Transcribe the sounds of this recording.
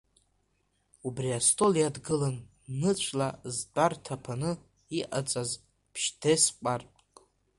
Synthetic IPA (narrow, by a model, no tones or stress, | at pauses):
ubriastʰʼolijadɡɨlanː | ɨt͡ʃʷʰlazdartʰapʰanɨ | iʔat͡sʼaz | pʰʃdʰesqʷʼarpʼ